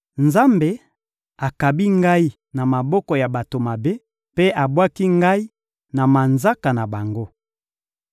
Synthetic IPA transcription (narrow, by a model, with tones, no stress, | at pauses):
nza˦mbe˨ | a˨ka˨bi˦ŋɡa˦i˦ | na˨ma˨bɔ˦kɔ˨ja˨ba˨to˨ma˨be˦ | pe˦ʔa˨bwa˦ki˦ŋɡa˦i˦ | na˨ma˨nza˦ka˨na˨ba˨ŋɡo˦